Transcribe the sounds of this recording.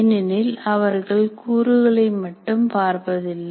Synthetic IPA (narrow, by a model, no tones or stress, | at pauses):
nɪnɪlɐʋɐɾɣɐɭkuːɾɯɣɐɭɐɪmɐʈːɯmpaːɾpɐðɪlːɐ